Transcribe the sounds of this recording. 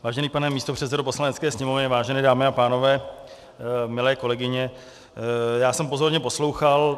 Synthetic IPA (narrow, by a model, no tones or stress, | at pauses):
vaːʒɛniːpanɛmiːst̪or̝̥ɛt̪sɛdop̬o̞slanɛtt͡skɛːsɲɛmo̞vɲɛvaːʒɛnɛːdaːmɪapaːno̞vɛː | mɪlɛːko̞lɛɡɪɲɛ | jaːsɛmpo̞zo̞ɾɲɛpo̞slowxal